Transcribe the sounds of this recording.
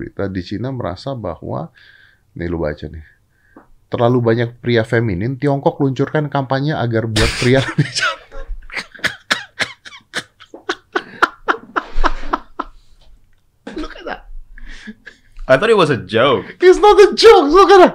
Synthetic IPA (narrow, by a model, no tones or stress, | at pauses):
ɾḭt̪adit͡ʃinaməɾa̰saba̰hwa̰ | nɪ̰luba̰t͡ʃanɪh | t̪ərlalubaɲak̚pɾiafeminɪnt̪iɔŋkɔkluɲt͡ʃurkankampaɲaʔaɡarbuat̪̚pɾialabit͡ʃḁna | lokata̰ | ajt̪ɔɾiwɔsəd͡ʒaʊkɪsnɔt̪əd͡ʒoʊk̚sukana